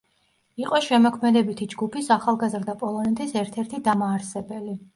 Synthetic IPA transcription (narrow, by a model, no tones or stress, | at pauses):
iqʼɔʃɛmɔkʰmɛd̪ɛbit̪ʰid͡ʒɡupʰisaχalˠɡazɾd̪apʼɔlˠɔnɛt̪ʰisɛɾt̪ʰɛɾt̪ʰid̪amaːɾsɛbɛli